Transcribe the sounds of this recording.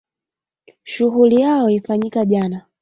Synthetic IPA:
ʃuɦulijaɔifaɲikaʄana

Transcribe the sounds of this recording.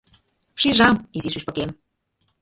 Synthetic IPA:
ʃirʒɑmiziʃyʃpə̆kem

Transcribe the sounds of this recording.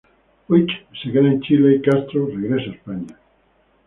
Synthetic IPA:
ojt͡ʃsekeðaent͡ʃileikast̪ɾoreɣɾesaespaɲa

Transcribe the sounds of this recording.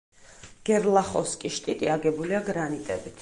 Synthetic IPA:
ɡ̥ɛɾlˠaχɔskʼiʃt̪ʼit̪ʼiaɡɛbuliaɡɾanit̪ʼɛbit̪ʰ

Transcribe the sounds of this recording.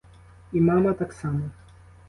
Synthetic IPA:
imamɐt̪aksamɐ

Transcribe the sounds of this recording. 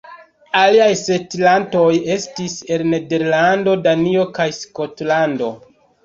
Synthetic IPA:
aliajse̞tlanto̞je̞stise̞nːe̞de̞ɾlando̞danio̞kajsko̞tlando̞̰

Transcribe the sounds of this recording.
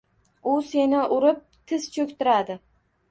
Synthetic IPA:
ʊse̞nɪʔʊɾɪp̚t̪ʰɪz̥t͡ʃʰɵkʲt̪ɪɾad̪ɪ

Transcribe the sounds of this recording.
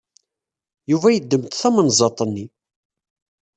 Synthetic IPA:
juvæjəd̪ːəmt̪θæmənzˤɑt̪ˤənːi

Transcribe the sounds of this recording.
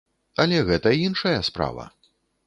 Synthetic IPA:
ɐlʲɛɣɛt̪ɐinʂɐjɐspɾa̰vɐ̰

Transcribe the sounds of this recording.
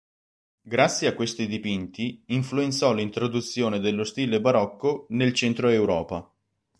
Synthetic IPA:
ɡɾat̪sːjeakːwest̪id̪ipint̪iiɱfluent̪sɔlint̪ɾod̪ut̪sːjoːned̪elːost̪iːlebaɾɔkːonelt͡ʃɛnt̪ɾoewɾɔːpa

